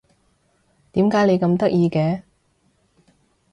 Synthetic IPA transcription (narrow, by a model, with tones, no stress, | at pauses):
t̪iː˨˥mkaː˨˥jle˨˧jkɐ˧mt̪ɐ˥k̚jiː˧kɛː˨˥